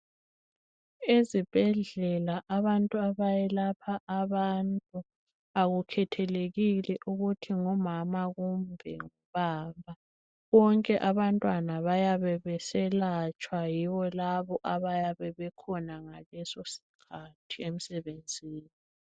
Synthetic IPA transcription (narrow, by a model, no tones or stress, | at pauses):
ezib̥ʱɛɮɛlaʔaβantʼuaβajɛlapʰaʔaβantʼu | aɣukʰɛtʰɛleɣilɛʔuɣutʰiŋɔmamaɣumbʱɛ̰ŋɔβaːmbʱa | ɣɔŋkʼɛʔaβantʼwanaβajaβɛβɛsɛlat͡ʃʼwajiwɔlaβɔʔaβajaβɛβɛkʰɔnaŋalɛsosi̥kʰatʰiem̩sɛβend͡zʱiːni